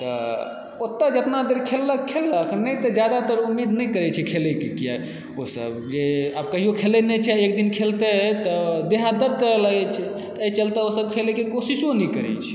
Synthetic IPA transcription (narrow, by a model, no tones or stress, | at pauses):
t̪ə̰ | ot̪ːəd͡ʒət̪nad̪eɾkʰelːəkʰːelːəkʰnəjt̪əd͡ʒjad̪at̪əɾumːid̪nəjkəɾɛt͡ʃʰɛkʰelɛkekija | osə̰bd͡ʒeab̚kəɦijokʰelɛnɛt͡ʃʰɛekd̪inkʰelt̪et̪ɔd̪eɦãd̪əɾd̪̚ʱkəɾɛlaɡɛt͡ʃʰɛ | t̪əjt͡ʃəlt̪ɛosəb̚kʰelɛkekosisonɛkəɾɛ̰t͡ʃʰɛ̥